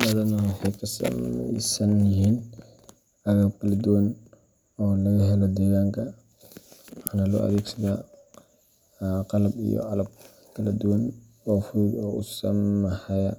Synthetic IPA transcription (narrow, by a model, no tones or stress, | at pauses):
mɐðɐnɐhħɛkʰɐsɐ̰mɛ̰sɐnjɪɦiːn | ʔɐɣɐbkʰɐlɐd̪ʊwɐn | ɔːlɐɣɐɦɛlɔd̪ɛːɣaːŋkʰɐ | wħaːnɐlɔ̰ʔɐ̰ðɛːɡsɐðaː | qɑlɐbḭjɔ̰ʔɑlɐb̚ | kʰɐlɐd̪ʊwɐn | ɔːfuːɡɔːʊsɐmħɛjɐ